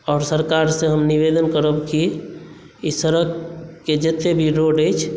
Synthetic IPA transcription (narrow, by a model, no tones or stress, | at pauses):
ɔːɾsəɾkaɾsẽɦəmniʋed̪ənkəɾəbki | isəɾəkked͡ʒət̪ːebʱiɾoɖəjt͡ʃʰ